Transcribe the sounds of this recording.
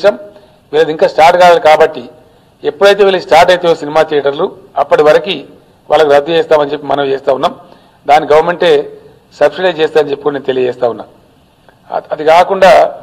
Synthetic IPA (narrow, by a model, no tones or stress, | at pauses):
ʃɐm | ʋiːlɐd̪iŋkaːsʈaːɾʈɡaːlalikaːbɐʈːi | epːuɽɐjt̪eʋilisʈaːɾʈɐjt̪eosinimaːt̪iːʈɐɾlu | ɐpːɐʈiʋɐɾɐki | ʋʔa̰ːlɐkuɾɐd̪ːuɛːst̪aːmɐnt͡ʃe̞pːimɐnɐmt͡ʃeːst̪aːunːaːm | d̪aːniɡɐʋɐɾme̞ɳʈe̞ | sɐbsiɖɐjt͡ʃeːst̪aːɐnt͡ʃepːikunenut̪e̞lijɐd͡ʒɛːst̪aːunːa̰ːm̰ | ɐd̪ikaːkuɳɖaː